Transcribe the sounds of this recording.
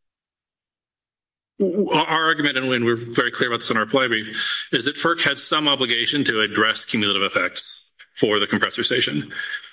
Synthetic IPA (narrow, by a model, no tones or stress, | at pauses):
ʔaʊə˞ɑɹɡjɨmɨ̃ɾ̃ɨ̃nwɨ̃nwɪɹvɛɹikʰl̥ɪɹəbaʊt̪̚ðɪsn̩ə˞ə˞pʰl̥aɪ̃bɹifɨzðɨtfɜ˞k̚hɨd̥sʌ̃mɑbləɡeɪʃɨ̃ntʰɨːdɹɛskʰj̥ʉmjʉl̩ˠəɾɨvɨfɛk̚ts | fə˞ðɨkʰm̩pʰɹ̥ɛsə˞steɪʃɨ̃n